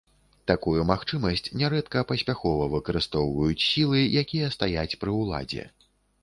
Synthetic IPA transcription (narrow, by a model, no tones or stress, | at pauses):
t̪akujumaxt͡ʂɨmɐsʲt͡sʲnʲɛɾɛt̪kɐpɐsʲpʲaxɔvɐvɨkɐɾɨst̪ɔwvɐjut͡sʲsʲilˠɨjakʲijɐst̪ajat͡sʲpɾɨwlˠa̰d͡zʲɛ̰